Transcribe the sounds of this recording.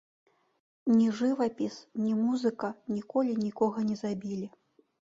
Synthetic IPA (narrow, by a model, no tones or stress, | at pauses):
nʲiʐɨvɐpʲisnʲimuzɨkɐnʲikɔlʲinʲikɔɣɐnʲɛzabʲilʲi